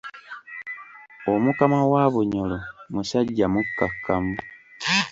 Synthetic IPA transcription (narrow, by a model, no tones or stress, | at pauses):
omukamawaːβuɲolomuʃaɟːamukːakʰːamu